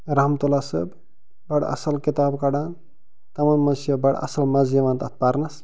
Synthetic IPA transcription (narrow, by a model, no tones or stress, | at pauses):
ɾɐɦmt̪olasɐ̰b | bɐɽɐ̰sɐlkit̪aːbkɐɽan | t̪ɐmɐnmɐnsjɐbɐɽɐ̰sɐlmɐzjɐʋaːnt̪ɐt̪̚ʰpaɾnɐs